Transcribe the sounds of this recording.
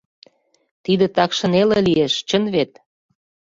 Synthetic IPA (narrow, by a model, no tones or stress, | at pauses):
t̪id̪ĕt̪ɑkʃə̆nelĕlieʃt͡ɕə̆nβet̪̚